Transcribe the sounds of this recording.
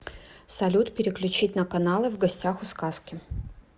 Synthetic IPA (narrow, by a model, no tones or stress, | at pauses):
sɐlʲut̪pʲɪɾʲɪklʲʉt͡ɕitʲnəkɐnalˠɨvɡɐsʲtʲaxʊskaskʲɪ